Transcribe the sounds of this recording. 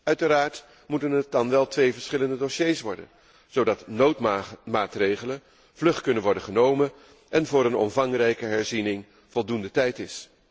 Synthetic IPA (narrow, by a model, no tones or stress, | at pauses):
œɥtəɾaːɹt | mutənɦət̚dɑnʋɛlˠtʋejvəɹsχɪləndədoʃejsʋɔɹdə̰n | z̥owdɑtnowtmaːtrejχələn | v̥lɵχkɵnənʋɔɹdəχənowmən | ɛnvʊːɾənɔ̰mvɑŋrɛjkəɦɛɹzinɪŋ | v̥ɔlˠdundətɛjtɪs